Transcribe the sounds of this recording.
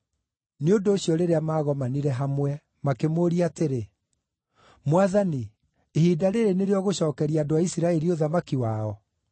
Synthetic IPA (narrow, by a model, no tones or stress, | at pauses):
neondoːɕjɔɾeɾeamaːɣɔmaniɾɛɦamwɛ | makemoːɾiateɾe | mwaðani | ehiːdaɾeɾeneɾeɔɣoɕɔːkɛɾiaːdoaisiɾaɛɾioðamakiwaɔ